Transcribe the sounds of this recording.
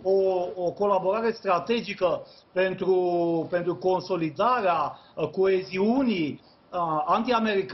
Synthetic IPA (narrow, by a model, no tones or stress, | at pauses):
oːko̞labo̞ɾaɾe̞st̪ɾat̪e̞d͡ʒikə | pe̞nt̪ɾupe̞nt̪ɾuko̞nso̞lid̪aɾeako̞e̞ziuni | ant̪iame̞ɾik